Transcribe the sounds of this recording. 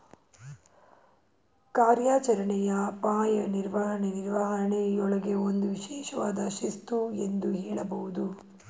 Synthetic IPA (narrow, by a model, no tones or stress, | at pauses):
kaːɾjaːt͡ʃɐɾɐɳɛjɐpaːjɐniɾʋɐɦɐɳeniɾʋɐɦɐɳejɔɭɐɡeond̪uʋiʃɛːʃɐʋaːd̪ɐʃist̪uend̪uɦɛːɭɐbɐʋud̪u